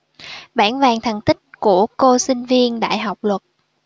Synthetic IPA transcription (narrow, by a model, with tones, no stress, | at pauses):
ɓaː˧˩nvaː˨˩ŋt̪ʰə˨˩ŋt̪ï˦˥k̚ku˧˩əko˧sï˧ŋ̟vi˧ənɗa̰ː˧˨jɦa˨˩wk͡p̚lwə˨˩t̚